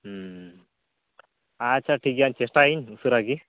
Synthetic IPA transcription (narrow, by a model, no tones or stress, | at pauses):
at͡ʃʰaʈiɡaɲt͡ʃesʈaiɲusuɾaɡi